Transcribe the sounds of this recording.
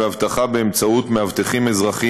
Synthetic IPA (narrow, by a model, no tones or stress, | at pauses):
eavt̪aχabeemt͡saut̪mehavt̪eχimezʁaχi